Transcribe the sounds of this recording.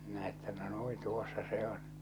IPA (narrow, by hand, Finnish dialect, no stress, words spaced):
minæ etːæ no nui tuosːɑ se on